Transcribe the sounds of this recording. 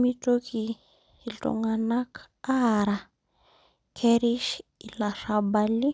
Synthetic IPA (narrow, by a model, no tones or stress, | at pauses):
mitoki | ilto̰ŋanak | aɾa | kʰeɾiʃilaʂabali